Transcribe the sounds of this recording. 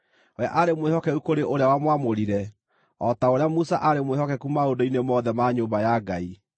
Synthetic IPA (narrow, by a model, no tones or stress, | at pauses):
oja̰ʔaɾemwehɔkɛukoɾeʔoɾeawamwamoɾiɾɛ | ɔtaoɾeamusaʔaɾemwehɔkɛkumaondoinemɔːðɛmaɲoːmbajaɡai